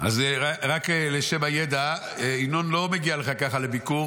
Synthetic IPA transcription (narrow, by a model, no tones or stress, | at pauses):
ʔa̰zaʁakleʃemajed̪a | einonlo̞meɡialeχakaχalebiku